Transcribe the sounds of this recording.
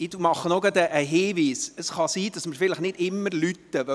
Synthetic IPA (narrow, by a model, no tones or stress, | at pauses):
ɪdumɑχənoɡɑd̪əʔːɦeːʋiːsəsχɑsiːdɑsməɾfɪləχnɪdɪmːəɾlyt̪ːəʋœ